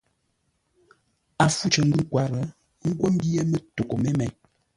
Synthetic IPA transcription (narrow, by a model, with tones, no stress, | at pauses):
a˨fu˦t͡ʃə˨ŋ̩˦ɡu˦kwa˨ɾə˨˦ | ŋ̩˦ɡwo˦m˦bi˦e˦mə˦to˨ko˨me˦mɛ˨